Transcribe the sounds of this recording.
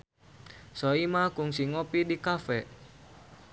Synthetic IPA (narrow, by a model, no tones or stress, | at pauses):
sɔimakuŋsiŋopidikafɛ